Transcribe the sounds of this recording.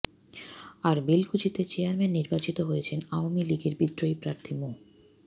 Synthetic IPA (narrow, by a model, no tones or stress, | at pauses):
aɾbilkut͡ɕit̪et͡ɕeaɾmenːiɾbat͡ɕit̪oɦojet͡ɕʰenaoamiliɡeɾbid̪ɾoipɾaɾt̪ʰimo